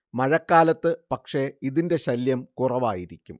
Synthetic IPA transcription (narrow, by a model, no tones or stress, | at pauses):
mɐɻɐkːaːlɐt̪ːɨpɐkʂe̞iðinde̞ɕɐljɐmkurɐʋaːjiɾikʲːum